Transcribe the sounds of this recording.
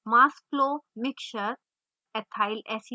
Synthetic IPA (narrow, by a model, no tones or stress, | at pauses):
masplomikʃəɾ | ɛt̪ʰaɪlɛsi